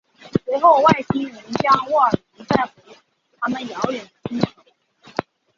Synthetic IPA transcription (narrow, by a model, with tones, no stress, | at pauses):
swe˧˥ɪxo˥˧ʊwa˥˩ɪɕʰi˥ŋɻə˧˥nt͡ɕjɑ˥ŋwɔ˥˩ə˞˨˩ni˧˥nt͡sa˥˩ɪxə˧˥˨ | t̪ʰa˥mə˨njɑ˧˥ʊɥɛ˨˩nə˦t͡ɕi˥nu˨˧˩